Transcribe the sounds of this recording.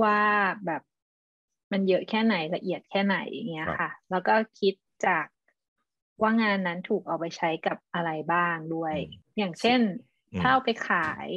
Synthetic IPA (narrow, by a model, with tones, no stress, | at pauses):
waː˥˩bɛː˨˩p̚ | ma˧njɤ˦˥ʔkʰɛː˥˩na˨˩˦jla˧ʔi˨˩ət̪̚kʰɛː˥˩na˨˩˦jʔa̰˨˩ŋːi˦˥ɐxʰa˥˩lɛː˦˥wkɔː˥˩kʰi˦˥t̪̚t͡ɕaː˨˩k̚ | waː˥˩ŋaː˧nːa˦˥nt̪ʰuː˨˩k̚ʔa˧˩wpa˧jt͡ɕʰa˦˥jka˨˩p̚ʔa˧ɾa˧jbaː˥˩ŋdu˥˩əjjaː˨˩ŋt͡ɕʰe˥˩n | t̪ʰaː˥˩˨wpa˧jkʰaː˨˩˦j